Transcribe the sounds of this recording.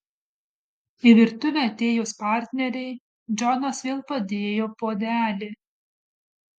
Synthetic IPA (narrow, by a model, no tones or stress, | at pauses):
ɪʋʲɪɾt̪ʊʋʲɛɐt̪ʲeːjoːspɑˑɾʲt̪ʲnʲɛɾʲɛɪ | d͡ʒʲɔnoːsʋʲeːlˠpɐd̪ʲeːjoːpoːd̪ʲæːlʲɪ